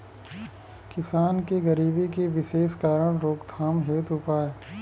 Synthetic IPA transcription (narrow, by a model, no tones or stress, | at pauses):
kɪsaːnkeɡɐɾiːbikeʋɪʃeːʃkaːɾəɽ̃ɾoːɡt̪ʰaːmɦeːt̪ɦʊpaːeː